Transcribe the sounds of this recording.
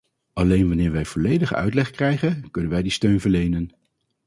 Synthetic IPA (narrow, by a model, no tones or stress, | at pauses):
ɑlejnʋɑnɪːɹʋɛjv̥ɔlejdəχœ̰ɥtlɛχkrɛjχənkɵnənʋɛjdistøɥnvəɹlejnən